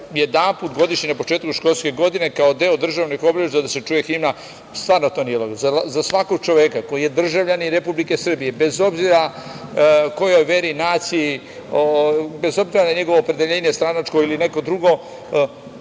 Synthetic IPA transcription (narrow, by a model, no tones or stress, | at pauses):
jed̪anpuːt̪ɡo̞d̪iʃɲinapo̞t͡ʃe̞ːt̪kuʃko̞lˠske̞ɡo̞d̪ine̞kao̞d̪e̞od̪r̩ʒaʋnixo̞bɾeʒd̪ad̪ase̞t͡ʃuːje̞ximna | st̪ʋaːɾnot̪onilˠoɡzazasʋako̞ɡ̚t͡ʃo̞ʋekako̞jije̞d̪r̩ʒaʋʎaniɾepublike̞sr̩bije̞be̞zo̞bziɾa | ko̞jo̞jʋe̞ɾinaːt̪si | obe̞zo̞bziɾanaɲe̞ɡo̞ʋoːpɾe̞d̪e̞ʎe̞ːɲest̪ɾanat͡ʃkoiline̞ko̞d̪ɾuɡo̞